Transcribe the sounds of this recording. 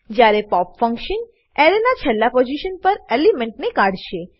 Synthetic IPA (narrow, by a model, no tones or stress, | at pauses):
d͡ʒjaɾepɔpfəŋkʃən | ɛɾenat͡ʃʰɛlːapod͡ʒiʃənpəɾelimẽɳʈnekaɽ̤ʃe